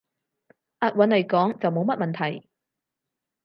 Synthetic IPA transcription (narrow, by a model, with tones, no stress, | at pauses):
ʔaː˧t̚wɐ˨˧˥nle˨˩jkɔː˨˥ŋt͡sɐ˨wmo˨˥wmɐ˥t̚mɐ˨nt̪ʰɐ˨˩j